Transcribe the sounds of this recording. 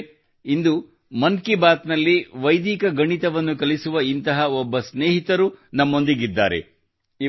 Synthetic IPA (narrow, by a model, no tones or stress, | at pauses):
ind̪u | mɐnkibaːt̪nɐlːiʋɐjd̪iːkɐɡɐɳit̪ɐʋɐnːukɐlisuʋɐint̪ɐɦɐɔbːɐsneːɦit̪ɐɾunɐmːo̞nd̪iɡid̪ːa̰ːɾḛ